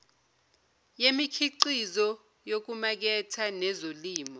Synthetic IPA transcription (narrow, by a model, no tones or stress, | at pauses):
jemikʰiǃizɔ | jok̬umak̬ɛtʰanɛzoliːmɔ